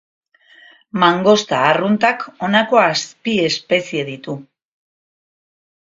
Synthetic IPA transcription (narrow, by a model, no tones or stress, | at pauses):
maŋɡo̞st̪aːrunt̪ako̞nako̞aspie̞spe̞sie̞ðit̪u